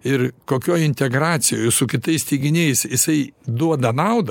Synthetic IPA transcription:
ɪɾkoːkʲoːjɪnʲt̪ʲɛɡɾɑːt͡ssʲɪjoːjʊsʊkʲɪt̪ɐɪsʲt̪ʲiːɡʲɪnʲeɪsjɪsɐɪd̪uɔd̪ɐnɐʊd̪ɐ

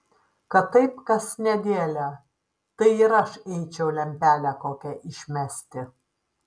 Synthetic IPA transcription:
kɐt̪ːɐɪpkɐsnʲɛd̪ʲeːlʲɛ | t̪ɐɪɪɾɐʃɛɪt͡ʃʲɛʊlʲɛmʲpʲæːlʲækoːkʲɛʔɪʃʲmʲæsʲt̪ʲɪ

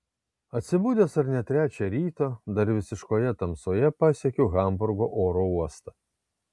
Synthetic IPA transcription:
ɐt̪ʲsʲɪbuːd̪ʲeːsɐɾnʲɛt̪ʲɾʲæːt͡ʃʲɛɾʲiːt̪ɐd̪ɐɾʋʲɪsʲɪʃkoːjɛt̪ɐmsoːjɛpɑːsʲiɛkʲoːɣɐˑmbʊɾɡoːʔoːɾouɔst̪ɐ

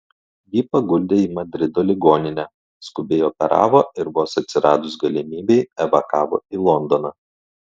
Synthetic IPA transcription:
jipɐɡʊlʲd̪ʲeːiːmɐd̪ʲɾʲɪd̪oːlʲɪɡoːnʲɪnʲæ | skʊbʲeɪɔːpʲɛɾɑ̰ːʋoːɪɾʋoːsɐt̪ʲsʲɪɾɑːd̪ʊsɡɐlʲɪmʲiːbʲɛɪɛʋɐkɑːʋo̰ːiːlˠɔnd̪ɔnɑː

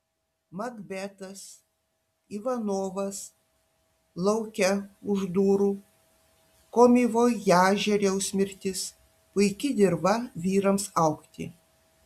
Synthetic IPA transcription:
mɐɡbʲæt̪ɐs | iːʋɐnoːʋɐs | lˠɐʊkʲɛʊʒd̪uːɾuː | koːmʲiʋoːjjæːʒʲɛɾʲɛʊsʲmʲɪɾʲt̪ʲɪs | pʊɪkʲɪd̪ʲɪɾbɐʋʲiːɾɐmsɐʊkt̪ʲɪ̰

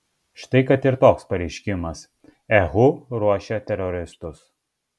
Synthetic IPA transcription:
ʃt̪ɐɪkɐt̪ɪɾt̪oːkspɐɾʲɛɪʃʲkʲɪmɐs | ɛɣʊɾuɔʃʲɛt̪ʲɛɾɔɾʲɪst̪ʊs

